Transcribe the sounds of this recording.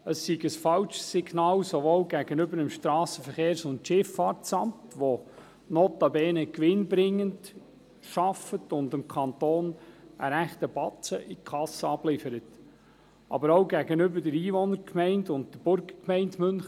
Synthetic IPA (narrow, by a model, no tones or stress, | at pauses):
əssiɡəsfɑlt͡ʃsɪɡnɑːlsoʋolɡæɡənʏbəɾəmʃtɾɑːsəfəχeːɾsʊntʃɪfɑːtsɑmtʋo | notɑbɛːnəkʋɪnbɾɪŋːənd | ʃɑfətʊndɪmkʰɑnt̪oːnə̰ɾæχtəbɑtt͡səʔikʰɑsəɑblɪfəɾət | ʔɑ̰bəɾoʊɡæɡənʏbədɛɾiːʋɔnəɾkʰmɛɪndʊnt̚dəb̥ʊɾɡəkmɛɪntmʏnx